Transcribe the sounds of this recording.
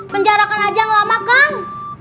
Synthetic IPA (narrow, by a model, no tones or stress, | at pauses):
pəɲd͡ʒaɾakanad͡ʒajaŋlamakan